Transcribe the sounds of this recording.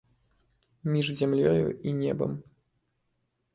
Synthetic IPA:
mʲiʐzʲamlʲɔjṵinʲɛbɐ̰m

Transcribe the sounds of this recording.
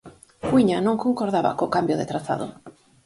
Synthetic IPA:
ɡwiɲanõŋkoŋkoɾð̞aβa̰kokambjoðet̪ɾaθa̰ðo̰

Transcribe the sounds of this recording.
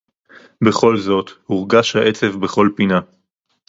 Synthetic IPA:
be̞χo̞lzo̞t̪huʁɡaʃhaʔe̞t͡sevbe̞χo̞lpina

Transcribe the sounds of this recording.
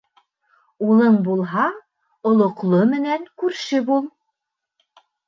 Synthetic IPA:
ulˠɤɴbulˠɦɑ | ŏlˠŏqlˠomɘ̆næŋkʉɾʃɘbulˠ

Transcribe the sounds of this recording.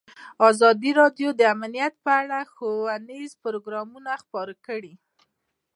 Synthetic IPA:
ɑzɑd̪iɾɑɖjod̪əamanijat̪̚pəaɽaxowanizpʊɾoɡɾɑmunaxpɑɾkəɽi

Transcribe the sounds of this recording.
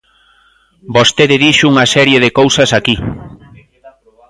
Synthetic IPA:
bost̪eðɪðiʃuŋasɛɾjeðekowsɐsaki

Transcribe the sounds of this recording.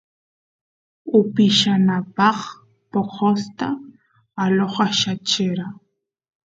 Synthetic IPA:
ʊpɪʃanapɑχ | poqost̪a | aloχaʃat͡ʃɪɾa

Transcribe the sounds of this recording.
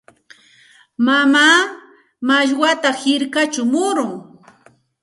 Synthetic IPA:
mamaː | maʎwat̪ahɪɾkat͡ʃʊmʊɾʊŋ

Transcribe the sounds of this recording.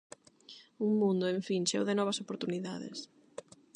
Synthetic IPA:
uŋmũnd̪ʊẽɱfiŋʃḛwðɪnɔβ̞ɐsopoɾt̪uniðaðɪ̰s

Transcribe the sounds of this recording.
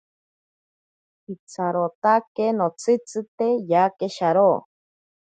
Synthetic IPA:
it͡sʰaɾot̪akenot͡sʰɨt͡sɨt̪ejakeʃaɾoː

